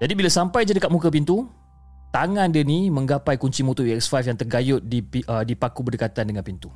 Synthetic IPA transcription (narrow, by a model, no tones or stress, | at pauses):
d͡ʒadibilasampajd͡ʒədəkat̪̚mukəp̬int̪u | t̪aŋãndənimə̃ŋɡapajkuɲt͡ʃimũt̪uiɛksfafjaŋt̪ərɡajʊt̪̚diiədipakubərdəkat̪andəŋãnpint̪u